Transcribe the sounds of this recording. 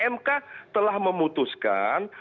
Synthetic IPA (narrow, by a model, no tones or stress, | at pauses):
ɛmkat̪əlahməmut̪uska̰n